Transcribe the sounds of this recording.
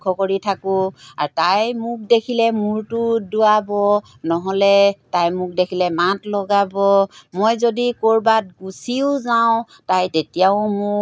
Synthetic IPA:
kʰːɔkoɹitʰakʊa̰ɹtajmʊk̚dekʰilɛmʊɹtʊdʊabɔ | nɔɦɔlɛtajmʊk̚dekʰilɛmatlɔɡabɔmojzodikoɹbat̚ɡusiʊzaʊ̃ | tajtetijaʊmʊ

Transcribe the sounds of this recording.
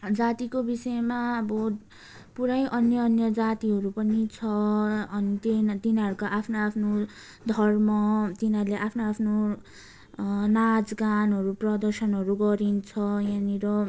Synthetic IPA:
d͡zat̪ikobisʌemaʌbʌ | puɾʌjʔʌnjʌːnjʌd͡zat̪iɦʌɾupʌnit͡sʰʌʌnit̪ent̪inʌɾukaʔapʰnoapʰno | d̪ʱʌrmʌt̪inarleʔapʰnoapʰno | nad͡zɡanɦʌɾuprʌd̪ʌrsʌnɦʌɾuɡʌɾint͡sʰʌjaniɾʌ

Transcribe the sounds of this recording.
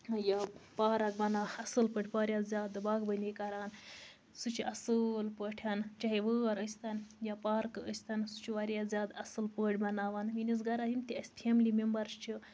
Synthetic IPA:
japaːɾɐk̚bɐnaɐsɨlpəʈʰʲpaːɾʲjazʲaːd̪ɨbaːɡbənʲikɐɾaːn | sut͡ʃʰiʔɐsɨlpəʈʰjaːnt͡ʃɐɦiʋəɐɾəsʲt̪anjapaːɾkɨəsʲt̪ansut͡ʃʰiʋaɾjazʲjaːd̪ɐsɨlpəʈʰʲbɐnaːʋanʋinis̬ɡɐɾaɦimt̪iɐsʲtʰiemlimembɐɾst͡ʃʰi

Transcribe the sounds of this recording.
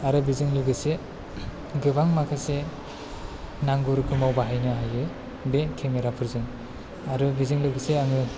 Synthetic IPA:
aɾɯbizɯŋlɯɡɯse | ɡɯbaŋmakʰase | naŋɡuɾɯkʰɯmawbaɦajnɯɦajɯ | bekʰemeɾapʰɯɾzɯŋ | aɾɯbizɯŋlɯɡɯseaŋɯ

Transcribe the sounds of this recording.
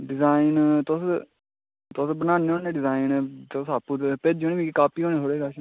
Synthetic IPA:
ɖɪzaːɪnt̪ʊs | t̪ʊsbənaːneõːneːɖɪzaːɪnt̪ʊsaːpːuːt̪ped͡ʒoːneːbiːkaːpiːɦõːnẽːsʰoːɽeːɡaʃ

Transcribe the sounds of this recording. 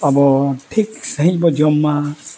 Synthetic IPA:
pabɔʈʰiksaɦĩd͡ʒbɔd͡ʒɔmːa

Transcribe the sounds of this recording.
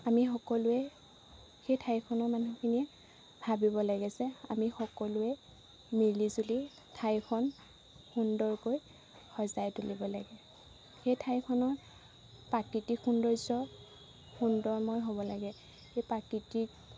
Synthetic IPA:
amixɔkɔlʊɛ | xejtʰajkʰɔnɔɹmanukʰiniɛ | bʱabibɔlaɡɛsɛa̰mixɔkɔlʊɛ | milizuli | tʰajkʰɔn | xundɔɹkoj | xɔzajtulibɔla̰ɡɛ | xejtʰajkʰɔnɔɹ | pakitixundɔɹzɔ | xundɔɹmɔjɦobɔlaɡɛ | xejpakiti

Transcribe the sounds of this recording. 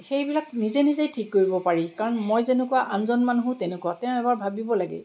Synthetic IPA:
xejbilaknizenizejtʰikːoɹibɔpaɹikaɹɔnmojzenɛkʊwaʔanzɔnmanuɦʊ̃tɛnɛkuwatɛ̃ʊ̃ɛbaɹbʱabibɔlaɡɛ̰

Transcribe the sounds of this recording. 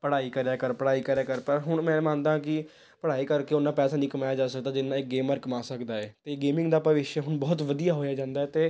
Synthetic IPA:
pəɽaːiːkəɾjaːkəɾpəɽaːiːkəɾaːkəɾpəɾɦʊɳmɛ̃ːmãːnd̪ãːk̬ɪ | pəɽaːiːkəɾkeːʊnːãːpɛːsãːniːkəmaːjaːd͡ʒaːsək̚d̪aːd͡ʒɪnːãːɪk̚ɡeːməɾkmaːsəkd̪aːɛːt̪eːɡeːmɪ̃ŋɡd̪aːpəʋɪʃɦʊɳbɔːt̪ʋəd̪ijaːɦoːjaːd͡ʒãːnd̪aːɛːt̪eː

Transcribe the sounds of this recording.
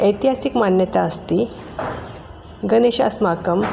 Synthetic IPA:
əjt̪iɦasikmanjət̪aəst̪i | ɡəneɕə̰smakəm

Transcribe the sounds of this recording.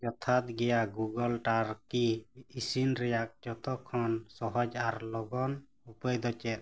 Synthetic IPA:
d͡ʒɔt̪ʰat̪̚ɡɛjaɡuɡɔlʈaɾkiːsinɾɛjak̚d͡ʒɔt̪ɔkʰːɔnsɔɦɔd͡ʒaɾlɔɡɔn | upəjd̪ɔt͡ʃɛt̪̚

